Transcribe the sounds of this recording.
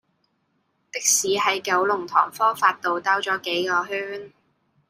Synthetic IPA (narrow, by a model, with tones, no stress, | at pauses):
t̪ɪ˥k̚siː˨˥ɦɐ˨˥jkɐ˨˧˥wlʊ˨˩ŋt̪ʰɔː˨˩ŋfɔː˥faː˧t̚t̪o˨wt̪aː˥wt͡sɔː˨˥ke˨˥jkɔː˧ɦyː˥n